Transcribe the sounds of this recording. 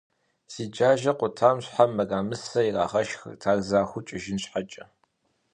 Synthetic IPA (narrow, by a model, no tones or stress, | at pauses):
siːd͡ʒaːʒɐqʷʊtʰaːmɕħamːɐɡaːmɨsɐira̰ːχɐʃxrtʰaːɣzaːxʷʊt͡ʃʼɪʒɪnɕħat͡ʃʼɐ